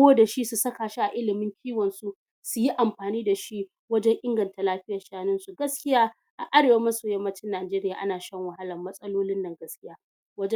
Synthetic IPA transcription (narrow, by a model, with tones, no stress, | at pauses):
oː˦da˨ʃi˦su˨sɐ˦kaː˨ʃi˦ʔa˨ʔɪ˦lɪ˨mɪ˦ŋkʲʰiː˦wɔ˨nsu˦ | su˨ji˦ʔa˨mɸaː˨niː˦da˨ʃi˦ | wɐ˦d͡ʒɛ˦ŋʔɪ˦ŋɡɐ˨nta˨laː˦ɸɪ˦jɐ˨rʃaː˦nɪ˦nsu˨ɡɐ˦skʲɪ˦jaː˦ | ʔa̰˨ʔa˦ɽeː˨wa˦mɐ˦soː˨jɐ˦mːɐ˦t͡ʃɪ˦nːaː˨d͡ʒeː˦ɾɪ˦jaː˨ʔa̰˦naː˨ʃɐ˦ŋwɐ˨ɦa˦lɐ˨mːɐ˦sʼɐ˦loː˦lɪ˦nːɐ˨ŋɡɐ˦skʲɪ˦jaː˦ | wɐ˦d͡ʒɛ˦